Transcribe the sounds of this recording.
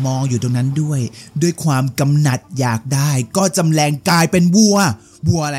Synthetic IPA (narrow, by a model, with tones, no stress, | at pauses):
mɔː˧ŋjuː˨˩t̪o˧ŋna˦˥ndu˥˩əjdu˥˩əjkʰwaː˧mka˧mna˨˩t̪̚jaː˨˩k̚daː˥˩jkɔː˥˩t͡ɕa˧mlɛː˧ŋklaː˧jpe˧nbu˥˩ɐ | bu˥˩ɐʔa˧a˧